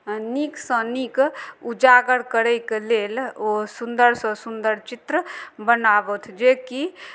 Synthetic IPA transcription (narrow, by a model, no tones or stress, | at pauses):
niksə̃nikud͡ʒaɡəɾkəɾəjkelelosund̪əɾsə̃sund̪əɾt͡ʃit̪ɾəbənabət̪ʰd͡ʒeki